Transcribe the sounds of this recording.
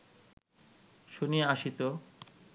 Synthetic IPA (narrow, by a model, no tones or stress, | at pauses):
ʃonijeaʃit̪o